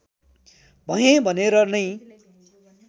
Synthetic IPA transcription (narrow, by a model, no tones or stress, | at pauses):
bʱʌjẽbʱʌneɾʌnʌj